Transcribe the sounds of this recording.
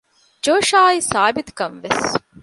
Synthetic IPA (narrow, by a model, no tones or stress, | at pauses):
d͡ʒoːʃaːisaːbit̪u̥kɐnʋes